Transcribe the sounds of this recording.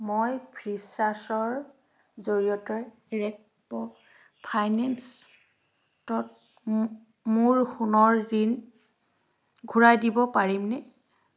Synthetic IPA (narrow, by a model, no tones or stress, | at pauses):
mojpʰɹisasɔɹ | zoɹijɔtɔj | ɹɛk̚ | pɔ | pʰajnɛns | tɔt̚ | muɹxunɔɹdin | ɡʱuɹajdibɔpaɹimnɛ